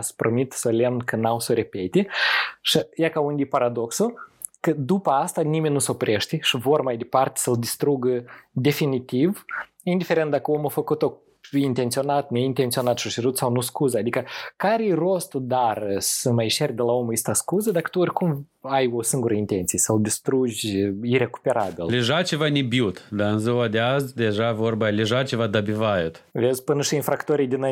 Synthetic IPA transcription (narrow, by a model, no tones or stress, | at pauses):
spɾomit̪solʲemnkənawsəɾe̞pet̪ʲeʃijakaund̪ʲipaɾad̪o̞ksukəd̪upəast̪animenʲnːusopɾʲʔeʃt̪eʃivo̞rmajd̪epart̪e̥səld̪ist̪ɾuɡəd̪e̞finit̪iv | ind̪ifeɾent̪̚d̪akəomofəkut̪o | iint̪e̞nt̪sio̞nat̪nʲeint̪e̞nt̪sio̞nat̪ʃot͡ʃeɾut̪sawnuskuzəad̪ikəkaɾʲero̞st̪ud̪arsəmajʃerʲd̪elaomjist̪askuzəd̪akə̥t̪uorʲkum | ajosɨŋɡuɾəint̪ent̪sijesawd̪ist̪ɾuʒʲire̞ku̥pe̞ɾabʲillʲeʒat͡ʃevanʲibjut̪d̪aɨnzoad̪ʲeazd̪ʲeʒavorbalʲeʒat͡ʃevad̪abʲivajut̪vezʲpɨnəʃiinfɾakt̪oɾijd̪ina